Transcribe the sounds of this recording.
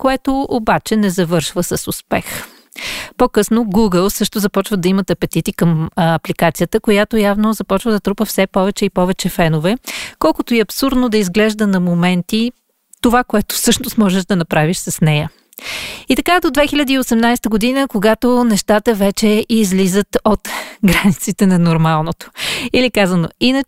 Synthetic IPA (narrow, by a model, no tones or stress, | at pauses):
koɛt̪oobat͡ʃɛnɛzɐvɤɾʃvəsəsʊspɛx | pokɤsnoɡuɡəlˠsɤʃt̪ozɐpɔt͡ʃvəd̪ɐimət̪ɐpɛt̪it̪ikəmɐplikat̪sijət̪əkojat̪ojavnozɐpɔt͡ʃvəd̪ɐt̪ɾupəfsɛpɔvɛt͡ʃɛipɔvɛt͡ʃɛfɛnovɛkɔlˠkʊt̪oiɐpsuɾd̪nod̪ɐizɡlɛʒd̪ənɐmomɛnt̪i | t̪ovakoɛt̪o̥sɤʃnost̪mɔʒɛʒd̪ɐnɐpɾaviʃsɐsnɛjə | it̪ɐkad̪od̪vɛxilʲəd̪iːosɛmnajst̪əɡod̪inəkoɡat̪onɛʃt̪at̪əvɛt͡ʃɛizlizət̪ot̪ɡɾanit̪sit̪ɛnɐnoɾmalˠnot̪o̥ilikazəno̰inə